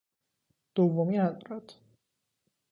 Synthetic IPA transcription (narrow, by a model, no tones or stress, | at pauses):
d̪̥ovːomiat̪ʼɾɔt̪ʰ